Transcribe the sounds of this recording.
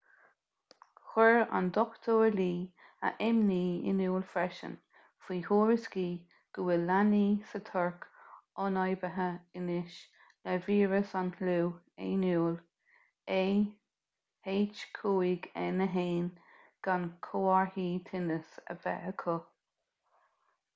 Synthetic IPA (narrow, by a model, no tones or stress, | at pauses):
xɛɹa̰nd̪ɔkt̪ʰoːɹliː | ə̰ʔɛmniːɪ̰nuːlfɾɛʃə̰n | fiːhoːɹəsɡiː | ɡ̥əwɪlːaniːsət̪ʰɔɹkɔnɑjbəɦəɪnɪʃ | lɛviːɹəsanhluː | ḛnuːl | e | heːt͡ʃkʰuːiɡɛnəɦeːn | ɡ̥ankʰoːaɹhiːt̪ʰɪnəsə̰vɛ̰əkʰʊ